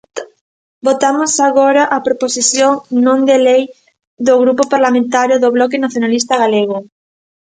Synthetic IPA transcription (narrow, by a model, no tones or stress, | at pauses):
bot̪amosaɣoɾaʔapɾoposiθjoŋnõŋd̪elej | ðoɣɾupopaɾlamẽnt̪aɾjoðoβlɔk̬enaθjonalis̬t̪ɐɣaleɣ̞o